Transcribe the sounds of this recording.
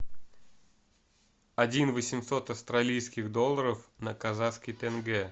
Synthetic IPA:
ɐdʲinvəsʲɪmso̞t̪ɐfst̪ɾɐlʲijskʲɪɣd̪o̞lˠːəɾəfnəkɐzat̪skʲɪjt̪əɛnɡɛ

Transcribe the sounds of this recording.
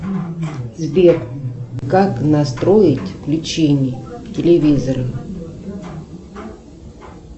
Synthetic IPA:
zbʲekkaknast̪ɾojɪtʲvlʲɪt͡ɕenʲɪtʲɪlʲɪvʲizəɾɨ

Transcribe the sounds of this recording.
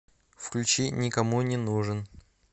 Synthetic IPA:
fklʲʉt͡ɕinʲɪkɐmunʲɪnuʐɨn

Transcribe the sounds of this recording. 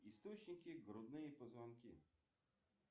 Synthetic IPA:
ist̪ɔt͡ɕɲʲikʲiɡɾɔd̪nɨjɛpɔzvankʲḭ

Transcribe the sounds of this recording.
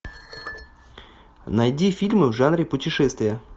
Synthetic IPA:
nɐjdʲifʲilʲmɨvʐanɾʲɪpʊtʲɪʂɛst̪vʲɪjə

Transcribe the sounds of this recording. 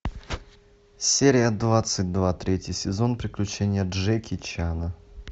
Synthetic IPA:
sʲeɾʲɪjəd̪vat̪sɨt̚ʲd̪vat̪ɾʲetʲjɪsʲɪzonpɾʲɪklʲʉt͡ɕenʲɪjəʐɛkʲɪt͡ɕanə

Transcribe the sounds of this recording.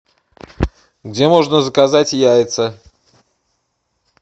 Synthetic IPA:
ɡdʲemo̞ʐnəzəkazatʲjajɪt̪sə

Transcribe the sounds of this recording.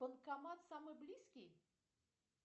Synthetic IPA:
pənkɐmat̪samɨjblʲiskʲɪj

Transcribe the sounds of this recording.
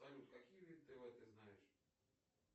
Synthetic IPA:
ɐlʲut̪kɐkʲijvʲid̪ʲt̪ɨvɛt̪əjznajɪʂ

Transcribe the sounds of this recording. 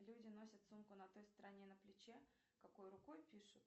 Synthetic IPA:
lʲudʲɪn̪o̞sʲət̪sumkʊnɐt̪o̞jst̪əɾɐnʲenəplʲɪt͡ɕe | kɐko̞jɾʊko̞jpʲiʂʊt̪

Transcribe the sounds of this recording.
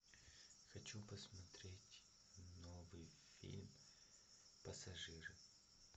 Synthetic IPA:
xɐt͡ɕupəsmɐt̪ɾʲetʲ | novɨj | fʲḭlʲm | pəsɐʐɨɾɨ

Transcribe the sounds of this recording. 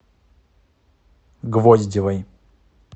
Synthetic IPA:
ɡvɔzʲdʲɪvɐj

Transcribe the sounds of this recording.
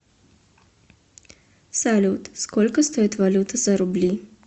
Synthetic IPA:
salʲut̪skɔlʲkəst̪oit̪vɐlʲut̪ʰəzɐɾʊblʲi

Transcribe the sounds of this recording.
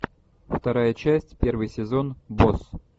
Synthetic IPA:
ft̪ɐɾajət͡ɕæsʲtʲpʲe̞rvɨjsʲɪzo̞nbos

